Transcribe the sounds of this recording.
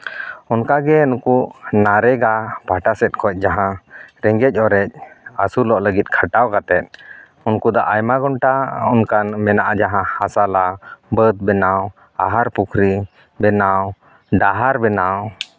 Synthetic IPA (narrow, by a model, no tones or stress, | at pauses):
ɔnkaɡɛunkuʔnaɾɛɡapaʈasɛt̪̚kʰɔc̚ˀd͡ʒaɦãɾɛŋɡɛc̚ˀɔɾɛc̚asulɔʔləɡit̪̚ˀkʰəʈawkat̪ɛt̪̚ | unkud̪aʔajmaɡɔnʈaɔnkanmɛnaʔad͡ʒaɦãhasalabəd̪̚bɛnaw | a̰ɦaɾpukʰɾi | bɛnaw | ɖaɦaɾbɛnaw